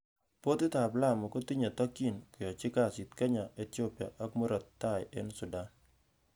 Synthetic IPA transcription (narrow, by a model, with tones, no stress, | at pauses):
po˦t̪ɪ˦t̪a˨bla˦˨mo˨ko˦t̪i˦ɲa˨t̪a˦ki˦˨nkɪ˨jɔ˨t͡ʃɪ˦ka˦˨sɪ˨t̪ka˦ɲa˨ʔe˦t̪o˦pja̰˨ʔa˦kmo˦ɾɔ˨t̪ːa˦˨jɛ˦nsʊ˨da˨n